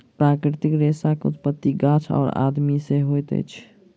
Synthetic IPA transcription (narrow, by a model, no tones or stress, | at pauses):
pɾakɾit̪ikɾesakeut̪̚pət̪ːiɡat͡ʃʰɔ̰ːɾa̰d̪miseɦojt̪ə̰jt͡ʃʰ